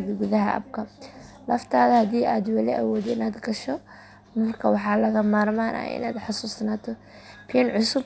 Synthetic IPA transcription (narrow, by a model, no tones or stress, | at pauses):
ðɡʊðɐɦɐʔɐ̰b̚kʰɐlɐft̪ʰaːðɐhɐðiːʔaːd̪wɑlɪʔɐ̰wɔːd̪ɪnaːd̪ɡɐʃɔ | mɐrkʰɐwɑħɑːlɐɣɐmaːrmaːnʔɐ̰ʔɪ̰na̰ːd̪ħɑsuːsnaːt̪ʰɔ | pʰiɐnʕʊsʊb